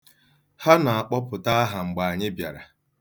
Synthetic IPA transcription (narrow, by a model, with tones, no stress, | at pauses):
ha˦na˨a˨k͡pɔ˦pʊ˨ta˦a˦ɦa˨ŋ͡m̩˨ɡ͡ba˨a˨ɲɪ˦bja̰˨ɾa̰˨